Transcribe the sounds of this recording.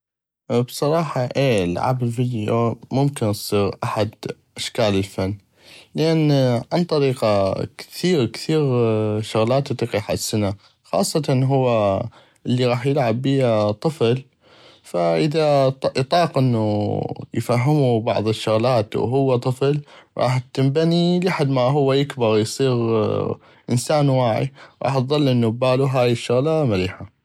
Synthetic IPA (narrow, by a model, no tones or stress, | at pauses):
bsˤɑɾˤɑːħɑʔeːlʕa̰bɪlvid̪jo̰mʊmkɪnsˤiːɾʔaħad̪ʔaʃkaːlɪlfanː | lɪʔanʕant̪ˤɑɾiːqɑkθiːɾkθiːɾʃʊɣlaːt̪t̪ˤiqiħasːna | xɑ̰ːsˤːɑt̪ɑnɦʊwːa | ʔɪlːiɣɑːħjɪlʕabːiːat̪ˤɨfl | faʔɪðat̪ˤɑːqʔɪnːujfaɦːɪmubɑ̰ʕðˤɨʃːʊɣlaːt̪w̰ɦʊwːat̪ˤɨflɣˤɑ̰ːħt̪ɪmbanilaħad̪maɦʊwːajɪkbɪɾjsˤiːɣ | ʔɪnsaːnwaːʕḭɣɑ̰ːħt̪ðˤɑlːʔɪnːubaːluɦaːjɪʃːʊɣlamaɾiːħa